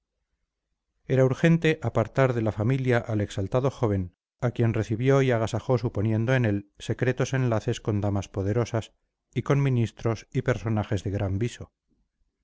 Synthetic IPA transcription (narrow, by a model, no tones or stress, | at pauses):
e̞ɾauɾxe̞nt̪e̞ʔapaɾt̪aɾðe̞lafamiljaʔale̞ksalt̪aðo̞xo̞β̞e̞n | akje̞nre̞θiβjo̞iaɣ̞asaxo̞supo̞njẽ̞nd̪oene̞lse̞kɾe̞t̪o̞se̞nlaθe̞sko̞nd̪amaspo̞ðe̞ɾo̞sas | iko̞nmĩnist̪ɾo̞sipe̞ɾso̞naxe̞zðe̞ɣɾambiso̞